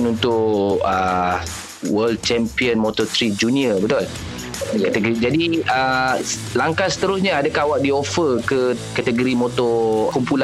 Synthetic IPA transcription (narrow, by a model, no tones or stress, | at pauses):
nunt̪ʊʔə | wəld̚t͡ʃɛmpiənmɔt̪ɔt̪ɾid͡ʒuniəbət̪ʊl | kat̪əɡoɾid͡ʒadiə | laŋkasə̥t̪əɾʊsɲaadakahwaʔ̚diofərkəkat̪əɡoɾimot̪ɔkumpula